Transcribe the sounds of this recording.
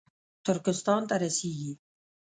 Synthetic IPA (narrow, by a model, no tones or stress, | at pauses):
t̪ʊɾkɪst̪ɑːnt̪aɾasiːɡi